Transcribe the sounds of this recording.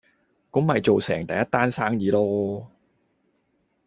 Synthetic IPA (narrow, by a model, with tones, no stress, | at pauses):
kʊ˨˥ŋmɐ˨jt͡so˨wsɛː˨˩ŋt̪ɐ˨jɐ˥t̚t̪ːaː˥nsaː˥ŋjiː˨˥lɔː˥